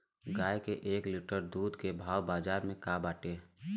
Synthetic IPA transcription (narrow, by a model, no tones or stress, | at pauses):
ɡaːjkeʔeːklɪʈəɾd̪uːd̪ʱkebʱaːwbaːd͡ʒaːɾmẽkaːbaːʈeː